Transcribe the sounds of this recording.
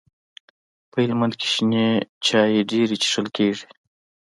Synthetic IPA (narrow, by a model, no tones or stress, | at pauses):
pəhɪlmand̪ke̥ʃinet͡ʃɑːjeɖeɾit͡ʃi̥ʂəlkeːʐi̥